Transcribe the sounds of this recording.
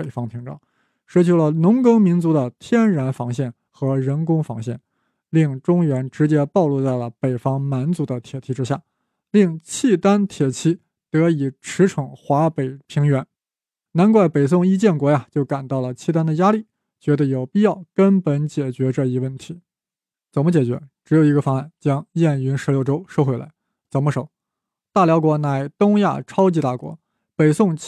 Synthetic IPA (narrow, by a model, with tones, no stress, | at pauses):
e˨˩ɪfɑ˥ŋpʰi˧˥ŋʈ͡ʂɑ̰˥˩ʊ | ʂɻ̩˥t͡ɕʰo˧˥lə˧nʊ˧˥ŋkɤ˥ŋmi˧˥nt͡su˧˥d̪ə˧t̪ʰjɛ˥nɻa˧˥nfɑ˧˥ŋɕjɛ˥˩n | xɤ˧˥ɻə˧˥nkʊ˥ŋfɑ̰˧˥ŋɕjɛ̰˥˩n | li˥˩ŋʈ͡ʂʊ˥ŋɥɛ˧˥nʈ͡ʂɻ̩˧˥t͡ɕjɛ˥pɑ˥˧ʊlu˥˧t͡sa˥˩ɪlə˩pe˨˩ɪfɑ˥ŋma˧˥nt͡su˧˥d̪ə˧t̪ʰjɛ˨˩t̪ʰi˧˥ʈ͡ʂɻ̩˥ɕja̰˥˩ | li˥˩ŋt͡ɕʰi˥˩t̪a˥nt̪ʰjɛ˨˩t͡ɕʰi˥ | t̪ɤ˧˥i˨˩ʈ͡ʂʰɻ̩˧˥ʈ͡ʂʰɤ˧˥ŋxwa˧˥pe˨˩ɪpʰi˧˥ŋɥɛ˧˥n | na˧˥nkwa˥˩ɪpe˨˩ɪs̬ʊ˥˩ŋi˥t͡ɕjɛ˥˩nkwɔ˧˥ja˧t͡ɕjo˥˩ʊka˨˩nt̪ɑ˥˩ʊlə˩t͡ɕʰi˥˩t̪a˥nd̪ə˨ja˥li˥˩ | t͡ɕɥɛ˧˥d̪ə˧jo˨˩ʊpi˥˧jɑ˥˩ʊkə˥npə˧˥nt͡ɕjɛ˨˩t͡ɕɥɛ˧˥ʈ͡ʂɤ˥˩i˧˥wə˥˩nt̪ʰi˧˥ | t͡sə˨˩nmə˦t͡ɕjɛ˨˩t͡ɕɥɛ̰˧˥ʈ͡ʂɻ̩˧˥jo˨˩ʊi˧˥ɡə˧fɑ˥ŋa˥˩nt͡ɕjɑ˥ŋjɛ˥˩ny˧˥nʂɻ̩˧˥ljo˥˩ʊʈ͡ʂo˥ʊʂʊxwla̰˧˥ɪ | t͡sə˨˩ʊmə˧˦ʂo˨˩˦ʊ | t̪a˥˩ljɑ˧˥ʊkwɔ˧˥na˧˥˩ɪt̪ʊ˥ŋja̰˥˩ʈ͡ʂʰɑ˥ʊt͡ɕi˧˥t̪a̰˥˩kwɔ̰˧˥ | pe˨˩ɪsʊ˥˧ŋ